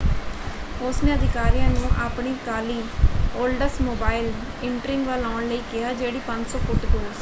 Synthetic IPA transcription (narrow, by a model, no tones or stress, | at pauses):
ʊsneːəd̪ɪkaːɾijãːnũːʔaːpɳiːkaːliːoːlɖəɾsmoːbaːɪl | ɪɳʈəɾɪ̃ŋɡʋaːlãːɳləiːkɪjaːd͡ʒeːɽiːpə̃ɲd͡ʒsɔːkʊʈpʊls